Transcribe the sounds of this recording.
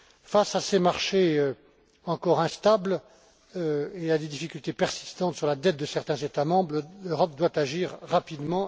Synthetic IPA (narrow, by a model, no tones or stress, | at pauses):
fasasemaʁʃeø | ɑ̃kɔʁɛ̃st̪abl | øead̪ed̪ifikʲylt̪epɛʁsi̥st̪ɑ̃t̪syʁlad̪ɛt̪̚d̪əsɛʁt̪ɛ̃zet̪amɑ̃bʁløʁɔp̚d̪wat̪aʒiʁːapid̪mɑ̃